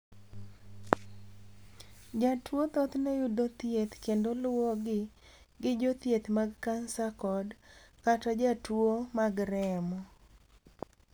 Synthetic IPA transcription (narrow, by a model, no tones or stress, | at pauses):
d͡ʒatwot̪ɔt̪nɛjʊdot̪jet̪kendolwɔɡɪ | ɡɪd͡ʒot̪jet̪maɡkansakɔdkatɔd͡ʒatwomaɡɾɛmɔ